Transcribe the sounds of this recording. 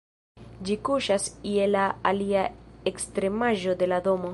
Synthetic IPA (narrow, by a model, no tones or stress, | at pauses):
d͡ʒikuʃasielaːliaekst̪ɾe̞maʒo̞d̪e̞lad̪o̞mo̞